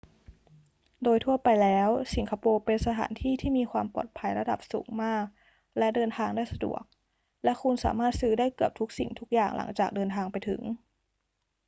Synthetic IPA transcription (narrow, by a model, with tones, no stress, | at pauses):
doː˧jt̪ʰu˥˩ɐpa˧jlɛː˦˥wsi˩˦ŋkʰa˧poː˧pe˧nsa˧t̪ʰa̰ː˩˦nt̪ʰiː˥˩t̪ʰiː˥˩miː˧kʰwaː˧mpɔ̰ː˨˩t̪̚pʰa˧jɾa˧da̰˨˩p̚sṵː˨˩˦ŋmaː˥˩k̚ | lɛ˦˥dɤː˧nt̪ʰaː˧ŋdaː˥˩jsa˧dṵ˨˩ək̚ | lɛ˦˥kʰu˧nsa̰ː˩˦maː˥˩t̪̚sɯː˦˥daː˥˩jkɯ˨˩əp̚t̪ʰu˦˥k̚sḭ˨˩ŋt̪ʰu˦˥k̚jaː˨˩ŋlʔa̰˩˦ŋt͡ɕaː˨˩k̚dɤː˧nt̪ʰaː˧ŋpa˧jt̪ʰɯ̰˨˩˦ŋ